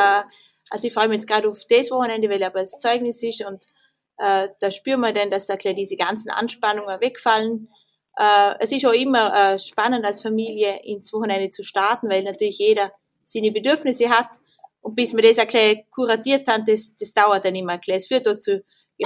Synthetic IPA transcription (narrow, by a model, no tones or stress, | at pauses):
ʔalsoiçfʁɔʏmiçɛt͡sɡ̥ʁaːdafd̥ɛsvɔxənɛndevaɪlaːbɐst͡sɔʏɡnɪsɪʃʊnt | ʔɛːd̥aːʃpyːmɐdɛndasakʰl̥ɛdiːzəɡant͡sn̩ʔa̰nʃpanʊŋəvɛkfalən | ʔɛɛsɪʃoɪmɐɛːʃpanəndalsfamiːljəʔɪ̰nsvɔxənɛndət͡suʃtaɐtn̩vaɪlnatʰyːɐlɪçjeːɾɐ | siːnəbedyɐfnɪsəɦat | ʊnt̚b̥ɪsmɐdɛsakʰlɛkʰuʁatiːɐthant̚d̥ɛsd̥ɛsd̥aʊɐt̚d̥anɪmɐkʰlɛsfyːɐt̚d̥ot͡su̥